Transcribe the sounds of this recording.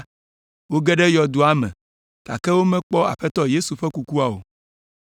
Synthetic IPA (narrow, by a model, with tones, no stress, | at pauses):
wo˦ɡɛ˦ɖɛ˦jɔ˨d̪u˨a˦mɛ̰̃˨ | t̪a̰˨kɛ˦wo˦mɛ̃˦k͡pɔ˦a̰˨ɸɛ˦t̪ɔ˦je˦su˨ɸɛ˦ku˦ku˦a˨o̰˨